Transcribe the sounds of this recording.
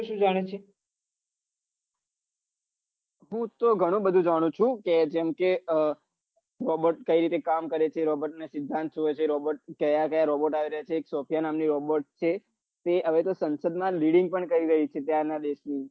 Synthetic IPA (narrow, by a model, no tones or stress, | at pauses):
ʃũd͡ʒaɽ̃et͡ʃʰe | ɦũt̪oɡʱəɽ̃ũbəd̪ʱũd͡ʒaɽ̃ũt͡ʃʰũked͡ʒɛmke | ɾɔboʈkəiɾit̪ekamkəɾet͡ʃʰeɾɔbəʈnesɪd̪ʱːãnt̪d͡ʒuet͡ʃʰeɾɔbəʈ̚kəjakəjaɾɔboʈaʋiɾəɦjat͡ʃʰeːksopʰijanamniɾɔboʈt͡ʃʰe | t̪eəʋet̪osənsəd̪mãliɽiŋɡ̚pəɳkəɾiɾəɦit͡ʃʰet̪jaɾnad̪eʃni